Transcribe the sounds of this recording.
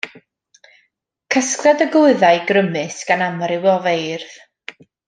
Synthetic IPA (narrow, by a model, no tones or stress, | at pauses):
kʰəskrɛdəɡʊɨðajɡrəmɨsɡ̥anamrɪwɔvejrð̥